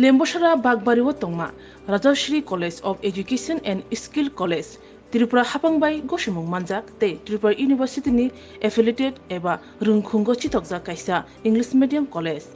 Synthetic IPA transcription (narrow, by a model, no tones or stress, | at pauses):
lembɔʃaɾabaɡ̚baɾibɔt̪ɔŋma̰ | ɾad͡ʒaɾsɾikɔled͡ʒɔpʰed͡ʒukesɔnɛnɖiskilkɔled͡ʒ | t̪iɾipɾahapaŋbajɡɔʃumuŋmand͡ʒak̚t̪ejt̪iɾipɾaɾʔjunibʱəɾsit̪ini | epʰeliʈeɖɛba | ɾɯŋɡʱʰuŋɡɔt͡ʃʰit̪ɔk̚d͡ʒakajsa | iŋɡlismeɖijamkɔled͡ʒ